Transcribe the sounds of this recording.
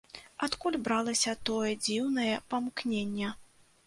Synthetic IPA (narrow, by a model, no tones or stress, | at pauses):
at̪kulʲbɾalˠɐsʲɐt̪ɔjɛd͡zʲiwnɐjɛpɐmknʲenʲːɛ